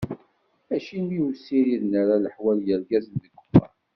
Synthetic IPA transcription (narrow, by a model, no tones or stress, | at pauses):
æʃinːiusːiɾiðnəɾaləħwæljəɾɡæznðəɡːə̥fɑ̰ɾ